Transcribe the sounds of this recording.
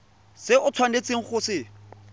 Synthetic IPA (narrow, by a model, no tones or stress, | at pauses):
sɪʊt͡sʰwanet͡sɪŋ̩χʊsɪ